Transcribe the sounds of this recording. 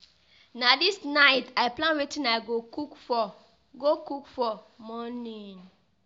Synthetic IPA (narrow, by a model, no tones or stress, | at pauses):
nãdisnaɪtaɪplãnwetʰĩnaɡokukfɔ | ɡokukfɔ | mɔ̃nĩn